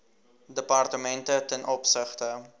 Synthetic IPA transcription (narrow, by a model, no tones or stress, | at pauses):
dəpɑrtəmɛntətɛnʔɔpsəχtə